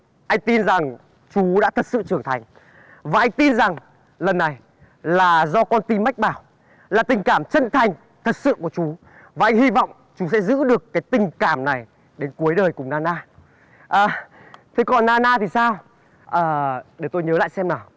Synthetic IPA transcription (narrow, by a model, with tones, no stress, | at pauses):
ʔa˧jŋ̟t̪i˧nza˨˩ŋ | t͡ɕu˨˦ɗa̰ː˧˥t̪ʰə˨˩t̚sɨ̰˧˨t͡ɕɨ˨˩əŋt̪ʰa˨˩jŋ̟ | vaː˨˩ʔa˧ŋ̟t̪i˧nza˨˩ŋ | lə˨˩nːa˨˩j | laː˨˩zɔ˧kɔ˧nt̪i˧ma˦˥k̟̚ɓaː˧˩w | laː˨˩t̪ï˨˩ŋ̟kaː˧˩mt͡ɕə˧nt̪ʰa˨˩jŋ̟ | t̪ʰə˨˩t̚sɨ̰˧˨ku˧˩ət͡ɕu˨˦ | vaː˨˩ʔa˧jŋ̟hi˧vɔ̰˧˨wŋ͡m | t͡ɕu˨˦sɛ̰˧˥zɨ̰˧˥ɗɨ˨˩əkːaː˨˦jt̪ï˨˩ŋ̟kaː˧˩mna˨˩j | ɗe˨˦nku˨˦əjɗəː˨˩jkʊ˨˩ŋ͡mnaː˧naː˧ | ʔəː˨˩ | t̪ʰe˨˦kɔ˨˩nnaː˧naː˧t̪ʰi˨˩saː˧w | ʔəː˨˩ɗe˧˨˩wt̪o˧jɲəː˨˦la̰ː˧˨jsɛ˧mnaː˨˩w